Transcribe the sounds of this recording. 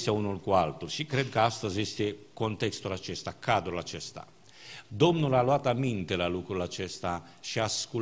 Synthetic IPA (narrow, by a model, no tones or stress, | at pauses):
saunulkualt̪uɾsikːɾɛd̪kast̪azɛst̪ekont̪ɛst̪olat͡ʃɛst̪akʰːad̪uɾlat͡ʃɛst̪a̰ | d̪ɔmnulaloaːt̪amint̪elalukuɾlat͡ʃɛst̪a | ʃiasku